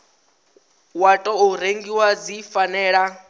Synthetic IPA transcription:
watʼɔuɾeŋɡiwad͡zifanɛːɺa

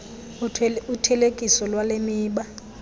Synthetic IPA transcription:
utʰɛlekʼisɔlwalemiːɓa

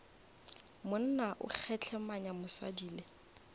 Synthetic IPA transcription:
mʊn̩naʔʊ̰k͡xʰɛt͡ɬʰɛmaɲamʊsa̰diːle

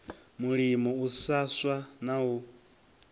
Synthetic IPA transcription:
muɺimɔusaswanawu

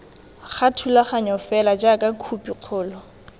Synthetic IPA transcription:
χatʰulaχaɲɔfɛlad͡ʒakʼakʰupʼiq͡χʰʊːlɔ

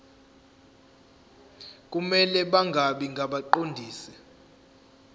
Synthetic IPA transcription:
k̬ʼumɛlɛɓaŋɡʱaɓiŋɡʱaɓaǃondʱiːsɛ

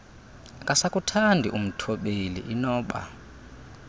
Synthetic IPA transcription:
kʼasakʼutʰandʱiʔum̩tʰɔɓelḭʔinɔːɓa̰

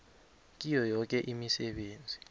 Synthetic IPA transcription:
k̬ʼijɔjɔk̬ɛʔimisɛɓeːnd͡zʱi

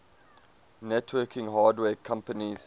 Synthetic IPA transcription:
nɛtʰwɜkʰɪ̃ŋɦaːdwɛːkʰãmpəniz̥

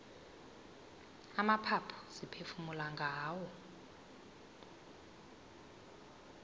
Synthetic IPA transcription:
amapʰapʰɔ̥sipʰefumulaŋɡʱaːwɔ

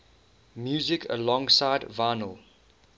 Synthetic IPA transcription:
mjuːzɪkʰə̰lɔ̃ŋsaɪdvaɪnəlˠ

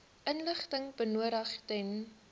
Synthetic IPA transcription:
ʔənləχtəŋbənuəɾəχtɛn

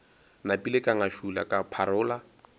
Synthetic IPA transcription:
napʼilekʼaŋaʃula̰kʼapʰaɾʊːla

